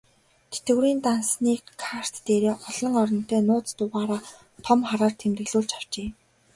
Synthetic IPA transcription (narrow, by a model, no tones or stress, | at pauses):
t̪ʰet̪ɘ̆wɾiːnt̪ansniːkkʰar̥t̪ːeːɾeːʔɔɮɞ̆ŋɔɾɞ̆n̥t̪œːnʊːt͡st̪ʊʁaːɾaː | t̪ʰɔmχaɾaːrt̪ʰemt̪ɘ̆ɮuːɮt͡ɕaw̥t͡ɕeː